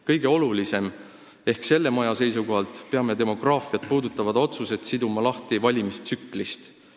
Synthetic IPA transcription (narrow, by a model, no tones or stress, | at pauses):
kɤjɡ̥e̞o̞lulise̞m | e̞hkse̞lːe̞mɑjɑse̞jsuko̞ɦɑlt̪pe̞ɑme̞t̪e̞mo̞ɡ̥rɑːfijɑt̪̚puːd̪ut̪ːˑɑvɑd̪̥o̞t̪suse̞t̪sid̪umɑlɑht̪ivɑlʲimist̪sykːˑlist̪